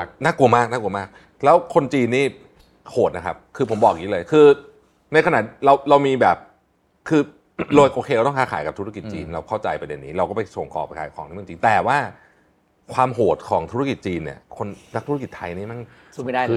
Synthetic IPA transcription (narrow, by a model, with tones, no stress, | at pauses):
naː˥˩ku˧ɐmaː˥˩k̚naː˥˩ku˧əmaː˥˩k̚ | lɛː˦˥wkʰo˧nt͡ɕiː˧nːiː˥˩ | hoː˨˩t̪̚na˦kʰa˦˥p̚kʰɯː˧pʰo˩˦mbɔː˨˩k̚jiː˦˥lɤː˧jkʰɯː˧ | na˧jkʰna̰˨˩ɾa˧wɾa˧wmiː˧bɛː˨˩p̚ | kʰɯː˧ | loː˧jʔoː˧kʰe˧wt̪ɔ˥ŋkʰaː˦˥aː˨˩˦jka˨˩pt̪ʰu˦˥a˥ki˨˩t͡ɕḭː˧nɾa˧wkʰa˥˩wt͡ɕa˧jpɾa˧de˧nːiː˦˥ɾa˧wkɔ˥˩pa˧jso˨˩˦ŋkɔ̰˨˩p̚kʰaː˨˦jkʰɔ̰ː˨˩˦ŋi˦˥˩t͡ɕiː˧nt̪ɛː˨˩waː˥˩ | kʰwaː˧mɦoː˨˩t̪̚kʰɔː˩˦ŋt̪ʰu˦˥˩ki˨˩t̪̚t͡ɕiː˧nːḭ˦˥˩ɐkʰo˧nna˦˥k̚t̪ʰu˥ki˨˩t̪ʰːa˧jniː˥˩na˥˩n˧˥˧ | a˥˩